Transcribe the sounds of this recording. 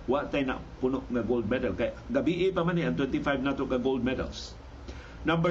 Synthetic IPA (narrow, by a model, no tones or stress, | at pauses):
waaʔt̪ajna̰ʔpʊnoʔŋaɡold̪̚mɛd̪alkajaʔɡabiʔɪpamaniʔaŋt̪wɛnt̪ifajvnat̪okaɡold̪̚mɛd̪a̰ls | nɐmbə